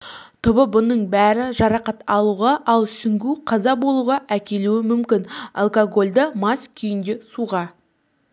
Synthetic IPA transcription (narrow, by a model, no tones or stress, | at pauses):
t̪ʰʊbəbʊnəɴbæɾɪʒɑɾɑqɑt̪ɑlˠuʁɑʔɑlˠsʏŋɡʲuqʰɑzɑbo̞lˠuʁɑʔækʲe̞luɪmʏmkʲɪnɑ̰lˠkoɡo̞lʲd̪əmɑskʲʰʏjɪnd̪e̞suʁɑ